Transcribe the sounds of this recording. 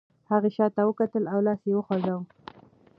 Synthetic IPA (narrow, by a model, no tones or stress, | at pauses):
haɣeʃɑt̪awəkat̪əlawlɑsjewəxwazaw